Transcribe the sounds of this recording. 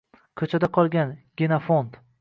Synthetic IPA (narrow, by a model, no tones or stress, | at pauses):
kʲʰɵt͡ʃʰad̪aqʰɒlˠɡʲanɡʲɪnafont̪